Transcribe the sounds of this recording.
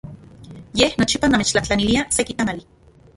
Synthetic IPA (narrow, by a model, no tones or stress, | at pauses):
jehnot͡ʃipanamet͡ʃlaht͡ɬaniliasekit̪amali